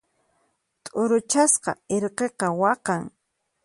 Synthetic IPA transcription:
t̪ʼʊɾʊt͡ʃasqɑ̰eɾqeqɑwɑqɑŋ

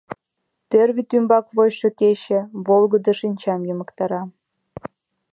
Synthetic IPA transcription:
t̪ørβʲit̪ymbɑkβojʃɤkeɕĕβolˠɣɤ̆d̪ɤ̆ʃinʲt͡ɕɑmjəmə̆kt̪ɑɾɑ

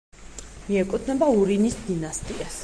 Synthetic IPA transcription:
miɛkʼut̪ʰnɛbauɾinisd̪inast̪ʼias

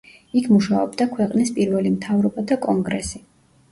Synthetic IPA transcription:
ikʰmuʃaɔbd̪akʰwɛqʼnispʼiɾvɛlimt̪ʰavɾɔbad̪akʼɔŋɡɾɛ̰si

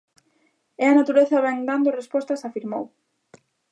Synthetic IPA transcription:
ɛɐnat̪uɾeθɐβɛŋd̪and̪ʊrespɔst̪ɐsafiɾmo̰w

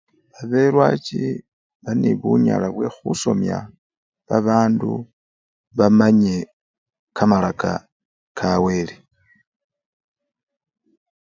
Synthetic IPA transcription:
βaβe̞ɾwat͡ʃi | βaneβuɲa̰laβwe̞xuso̞mja̰ | βaβaːndṵ | βamaɲe̞ | kʰamalaka̰ | kʰawe̞li

